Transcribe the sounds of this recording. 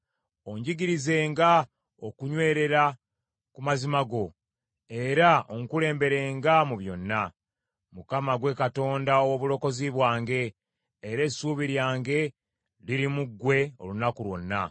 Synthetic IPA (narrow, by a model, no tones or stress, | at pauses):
o̞ɲɟiɡiɾize̞ːŋɡa | okuɲwe̞ːɾe̞ɾa | kumazimaɡo̞ | e̞ɾaoŋkule̞ːmbe̞ɾe̞ːŋɡamuβjo̞nːa | mukamaɡwe̞kato̞ːndaowoβulo̞ko̞ziβwaːŋɡe̞ː | ɾe̞suːβiɾjaːŋɡe̞ | liɾimuɡːwe̞o̞̰lunakulwo̞̰nːa